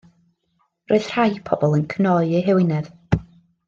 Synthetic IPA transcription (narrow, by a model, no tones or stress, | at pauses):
roɨð̥r̥ajpʰɔ̰bɔlˠənkʰənɔɨejɦɛwɪnɛð̥